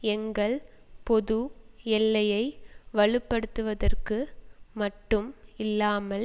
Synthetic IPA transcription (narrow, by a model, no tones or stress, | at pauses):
ɛŋɡɐɭ | pɔðɯɛlːɐjɐɪʋɐɭɯpːɐɽɯt̪ːɯʋɐðɐrkɯmɐʈːɯmɪlːaːmɐl